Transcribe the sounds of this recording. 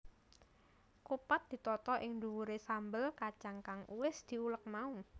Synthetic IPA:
kupat̪̚d̪̥i̤t̪ɔt̪ɔʔɪŋnd̪uwuɾesambəlkat͡ʃaŋkaŋʔuwɪsd̪̥i̤ulək̚mau

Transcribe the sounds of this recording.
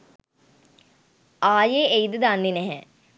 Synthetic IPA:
aːjeejd̪əd̪anːinɛɦɛ

